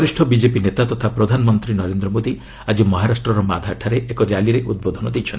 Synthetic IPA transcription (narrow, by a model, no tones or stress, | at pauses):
ɾisʈʰɔbid͡ʒepinet̪at̪ɔt̪ʰapɾɔd̪ʱanɔmɔnt̪ɾinɔɾend̪ɾɔmod̪i | ad͡ʒimɔɦaɾasʈɾɔɾɔmad̪ʱaʈʰaɾeʔekɔɾjaliɾeʔud̪̚bod̪ʱɔnɔd̪ejt͡ʃʰɔn